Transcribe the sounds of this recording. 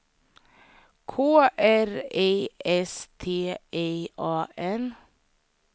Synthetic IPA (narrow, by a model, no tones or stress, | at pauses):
kʰoːʔæɾeɪɛst̪ʰeːʔeɪʔɑːʔɛn